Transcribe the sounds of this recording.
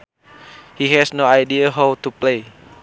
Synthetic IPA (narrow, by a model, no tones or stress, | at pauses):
hiɦɛsnoajdiaɦawt̪uplej